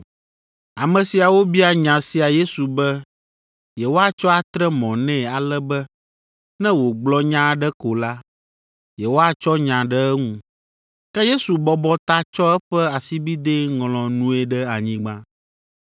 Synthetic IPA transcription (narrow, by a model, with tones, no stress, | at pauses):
a˨mɛ̃˨si˨a˨wo˦bi˦a˨ɲã˨si˨a˨je˦su˨bɛ˦ | jɛ˨wo˦a˦t͡ʃɔ˦a˨t̪ɾɛ˦mɔ̃˨nɛ̃˦˨a˨lɛ˦bɛ˦ | nɛ̃˦wo˨ɡ͡blɔ˦ɲã˦ɖɛ˦ko˨la˦ | jɛ˨wo˦a˨t͡ʃɔ˦ɲã˨ɖɛ˦ɛ˦ŋũ˦ | kɛ˦je˦su˨bɔ˦bɔ˦t̪a˦t͡ʃɔ˦ɛ˦ɸɛ˦a˨si˦bi˦d̪e˦ŋlɔ̃˨nũ˦ɛ˨ɖɛ˦a˨ɲĩ˦ɡ͡bã˦